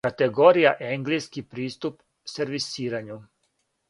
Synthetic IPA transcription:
at̪eɡoɾijaʔeŋɡliskipɾiːst̪up | seɾʋisiːɾaɲu

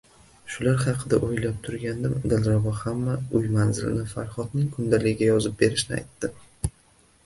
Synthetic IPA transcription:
ʃʊlaɾhɑqʰɨd̪aʔojlap̚t̪ʰʊɾɡʲand̪ɪmd̪alˠɾabɒhamːaʊjmanzɪlɪ̰nɪfa̰ɾχɒt̪̚nɪŋkʰʊnd̪alɪɡʲɪɡʲajɒzɪp̚be̞ɾɪʃnɪa̰jt̪ːɪ

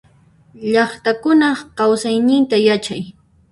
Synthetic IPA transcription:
ʎɑχt̪akʊnɑkawsajnɪnt̪ajat͡ʃaj

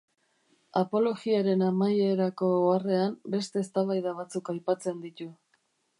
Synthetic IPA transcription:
apo̞lo̞ɣiaɾe̞namaje̞ɾako̞are̞ambe̞st̪e̞ːst̪aβajðaβ̞at͡sukajpat͡se̞nd̪it̪u

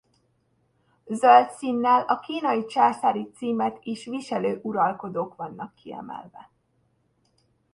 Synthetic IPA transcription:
zølt̪sinːɛlɒkiːnɒjit͡ʃaːsaːɾit̪siːmɛt̪iʃʋiʃɛløːʔuɾɒlko̞d̪oːkʋɒnːɒkʰːiɛ̰mɛ̰lvɛ

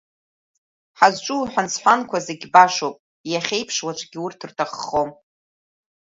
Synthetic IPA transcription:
ħazt͡ʃʷʼuħʷᶣansħʷankʷazeɡʲbaʂowpʼ | jaχʲe̞jpʰʂwat͡ʃʷʼɡʲiurtʰɨrtʰaχːom

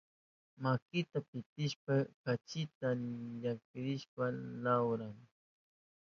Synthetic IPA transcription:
makɪt̪apɪt̪ɪʃpakat͡ʃɪt̪aʎakt̪ɪɾɪʃpalawɾaŋ

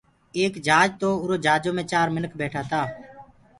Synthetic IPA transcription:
eːkd͡ʒʱaːd͡ʒt̪oːʊɾoːd͡ʒʱaːd͡ʒõːmẽːt͡ʃaːɾmɪnəkʰbeːʈʰaːt̪aː

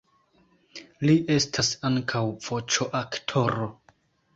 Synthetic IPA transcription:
liʔe̞stʰasaŋkʰawv̥o̞t͡ʃoʔaktʰo̞ɾo̞

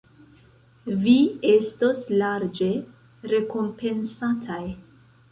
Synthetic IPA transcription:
vie̞sto̞slaɾd͡ʒe̞ | ɾe̞ko̞mpe̞nsatʰaj

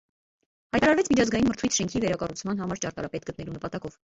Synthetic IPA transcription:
hɑjt̪ɑɾɑɾvɛt͡sʰmit͡ʃʰɑzɡɑjinməɾt̪ʰujt͡sʰʃɛŋkʰivɛɾɑkɑrut͡sʰmɑnɦɑmɑɾt͡ʃɑɾt̪ɑ̰ɾɑpɛt̪ɡət̪nɛlunəpɑt̪ɑkɔv

